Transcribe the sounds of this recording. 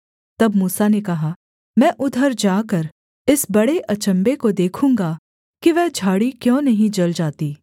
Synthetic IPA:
t̪ɐbmuːsanekɐɦa | mɛ̃ːʔʊd̪ʱəɾd͡ʒaːkɐɾ | ɪsbɐɽeʔɐt͡ʃə̃mbekod̪eːkʰũːŋɡa | kiʋɛːd͡ʒʱaːɽikjõːnɐɦĩd͡ʒɐld͡ʒaːt̪iː

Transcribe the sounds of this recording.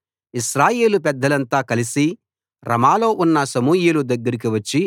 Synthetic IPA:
iʃɾaːje̞ːlupɛd̪ːɐlɐnt̪aːkɐlisi | ɾʔɐmaːlo̞ːʔunːɐsɐmuːjilud̪ɐɡːɐɾik̬iʋɐt͡ʃːi

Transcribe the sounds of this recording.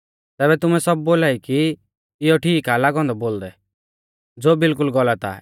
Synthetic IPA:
t̪ɛːβɛt̪ʊmɛsɔb̚ːoːlaːiki | ɪjɔʈʰiːkalaɡɔ̃nd̪ɔboːld̪ɛ | d͡zoːbɪlkʊlɡɔlat̪a̰

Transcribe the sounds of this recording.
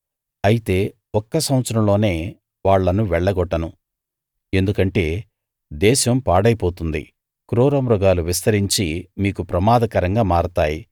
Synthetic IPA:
ɐjit̪e̞ː | ɔkːɐsɐwɐt̪sɐɾɐmlo̞ːne̞ː | ʋaːɭːɐnuʋɛɭːɐɡɔʈːɐnu | e̞nd̪ukɐɳʈe̞ː | d̪ɛːʃɐmpaːɽɐjpo̞ːt̪und̪ḭ | kɾoːɾɐmɾɔɡaːluʋist̪ɐɾiɲt͡ʃimiːkupɾɐmaːd̪ɐkɐɾɐŋɡaːmaːɾut̪aːji

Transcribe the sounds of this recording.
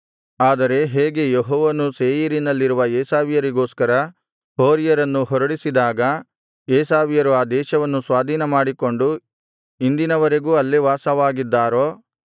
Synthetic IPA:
aːd̪ɐɾe̞ɦeːɡe̞jeɦɔːʋɐnuseːjɐɾinɐlːiɾuʋɐeːsaːʋjɐɾiɡo̞ːskɐɾɐ | hoːɾijɐɾɐnːuɦɔɾɐɽisid̪aːɡɐ | eːsaːʋjɐɾuaːd̪ɛːʃɐʋɐnːusʋaːd̪ʱiːnɐmaːɽiko̞ɳɖu | ind̪inɐʋɐɾe̞ɡuːɐlːeʋaːsɐʋaːɡid̪ːaːɾoː

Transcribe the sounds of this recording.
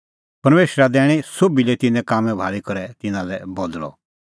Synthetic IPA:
pɐɾmeːʃɾad̪ɛːɽ̃isobilɛt̪ɪnɛ̃kaːmɛ̃bʱaːɭikɐɾɛt̪ɪnãlɛbɔd̪lɔ̰

